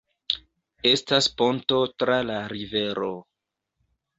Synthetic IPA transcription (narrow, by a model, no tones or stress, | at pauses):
e̞staspo̞nto̞tɾalaɾive̞ɾo̞